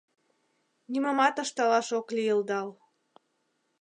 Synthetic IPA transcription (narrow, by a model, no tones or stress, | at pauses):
niməmɑt̪ɤʃt̪ɑlɑʃokliəld̪ɑl